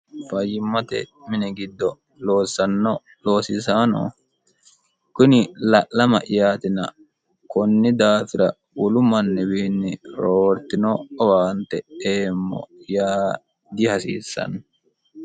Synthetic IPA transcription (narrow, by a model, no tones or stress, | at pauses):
fɐjɪmːɐt̪ɛ̰mɪnɛɡɪd̪ːɔ | lo̞ːsːɐnːɔ | lo̞ːsɪsaːno̰ː | kʊnɪlɐʔːɐmɐ̰ʔɪjaːt̪ɪnɐ | kɔnːɪd̪aːfɪɾɐ̰ | ʊlʊmɐnːɛwiːnːɪɾoːɾt̪ɪnɔːwaːnt̪ɛeːmːɔ̰jaː | d̪ɪhɐsḭːsːɐ̰n